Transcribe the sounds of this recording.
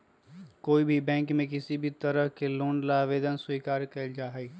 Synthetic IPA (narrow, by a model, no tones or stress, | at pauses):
koːibʱibɛ̃ːŋkmẽkɪsibʱit̪ɐɾəɦkeloːnlaːʋeːd̪ənswiːkaːɾkeld͡ʒaːɦɛ